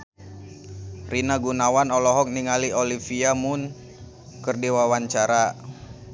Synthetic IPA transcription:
rinaɡunawanɔlɔɦɔk̚niŋaliolifiamʊn | kərdiwawaɲt͡ʃaɾa

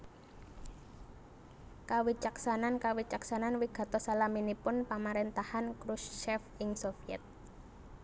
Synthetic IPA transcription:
kawit͡ʃaksanankawit͡ʃaksananwiɡ̥a̤t̪ɔsalaminipʊnpamaɾent̪ahankɾusʃɛfɪŋsofiɛ̰t̪̚

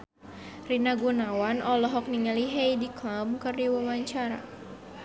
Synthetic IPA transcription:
rinaɡunawanʔɔlɔɦɔk̚niŋaliɦejdiklamkɨrdiwəmaɲt͡ʃaɾa̰

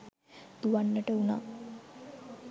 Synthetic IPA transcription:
d̪̥uʋanːəʈəuna̰

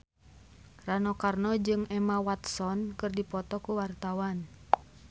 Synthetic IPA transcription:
ranɔkarnɔd͡ʒɨŋɛmawat̪sɔnkɨrdipɔt̪ɔkuwart̪awan

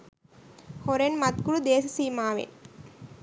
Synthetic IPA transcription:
hɔɾenmɐt̪̚kuɽud̪eːsɐsiːmaːʋḛn

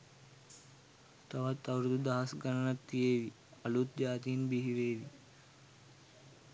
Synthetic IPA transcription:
t̪ɐʋɐt̪ːɐʋɾd̪ud̪ɐːɐsɡɐnɐnɐt̪ːijeːʋi | ɐlut̪̚d͡ʒaːt̪iːnbiɦiʋeːʋi

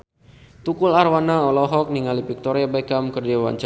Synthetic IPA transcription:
t̪ukularwanaɔlɔɦɔk̚niŋalipik̚t̪ɔɾiabakamkərd͡ʒawa̰ɲt͡ʃ

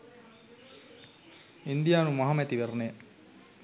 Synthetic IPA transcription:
ind̪ijaːnumɐɦamɛt̪iʋeɾneː

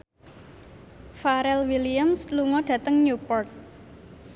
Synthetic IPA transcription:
faɾɛlwiliamsluŋɔɖ̥ä̤t̪əŋɲupɔrt̪̚

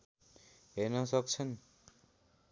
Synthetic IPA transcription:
ɦenʌsʌk̚t͡sʰʌn

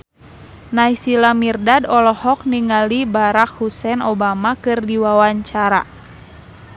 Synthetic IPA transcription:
najsilamirdadɔlɔhɔk̚niŋalibaɾak̚husɛnɔbamakɨrdiwawaɲt͡ʃaɾa̰

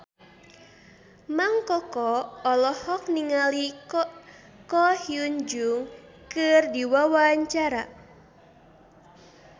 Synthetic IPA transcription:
maŋkɔkɔːlɔhɔk̚niŋali | kɔhiuɲd͡ʒuŋ | kɨrdiwawaɲt͡ʃaɾa̰

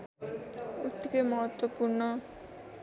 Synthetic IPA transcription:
ut̪ːkemʌɦʌt̪wʌpurnʌ

